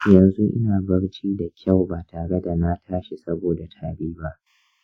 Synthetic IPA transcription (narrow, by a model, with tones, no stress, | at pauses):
jɐ˨nzu˦ʔɪ̰˦naː˨bɐ˦ɽt͡ʃiː˦da˨kʲa˦˨wbaː˨tʰaː˨ɽe˦da˨na˦tʰaː˦ʃi˨sɐ˦boː˨da˨tʰaː˨biː˦ba˦ʔ